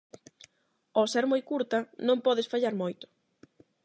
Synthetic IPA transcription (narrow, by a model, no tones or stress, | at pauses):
ɔsɛɾmojkuɾt̪ɐnõmpɔðɪsfaʎaɾmojt̪ʊ̥